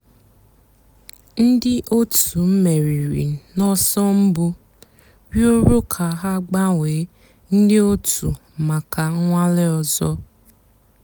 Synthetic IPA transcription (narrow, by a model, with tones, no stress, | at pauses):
n̩˦dɪ˦ʔo˦tʰu˨m̩˦me˨ɾi˨ɾḭ˨nɔ˦sɔ˦m̩˦bʊ˦ | wjo˦ɾu˦kʰa˨ɦa˦ɡ͡ba˦ŋʷeː˨˦ | n̩˦dɪ˦o˦tu˨ | ma˨ka˨˦ŋʷa˦lɪ˦ɔ˨zɔ˦